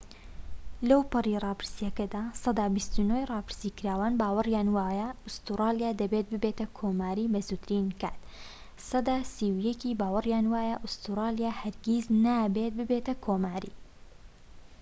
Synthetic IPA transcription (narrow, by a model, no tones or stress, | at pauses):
lɐwpɨrirˤɑːpɨɾsijɐkɐd̪aːsɑd̪aːbist̪unojrˤɑːpɨ̥ɾsiːkɨɾaːwaːnbaːwɨrjaːnwaːjɐʊst̪uɾɑːlijaːd̪ɐbet̪̚bɨbeːt̪ɐkʰoːmaːɾiːbɐzut̪ɾinka̰ːt̪ | sɑd̪aːsiwjɐkiːbaːwɨrjaːnwaːjɐʔʊst̪uɾɑːlijaːhɐɾɡʲiznaːbet̪̚bɨbet̪ɐkʰoːmaːɾḭː